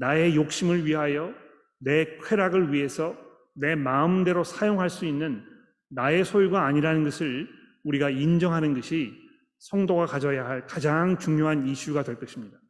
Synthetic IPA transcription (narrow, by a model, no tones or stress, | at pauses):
nae̞jok̚ɕ͈imɯɭɥiɦajʌ | ne̞kʰwe̞ɾaɡɯɭɥiɦe̞sʰʌ | ne̞maɯmde̞ɾosʰajoŋɦaɭs͈uinːɯnː | ae̞sʰojuɡaːɲiɾanɯnɡʌsʰɯɭ | uɾiɡaind͡ʑʌŋɦanɯnɡʌɕʰi | sʰʌŋdoɡakad͡ʑʌjaɦaɭkad͡ʑaŋt͡ɕuŋɲjoɦaniɕʰuɡadwe̞ɭk͈ʌɕʰimɲida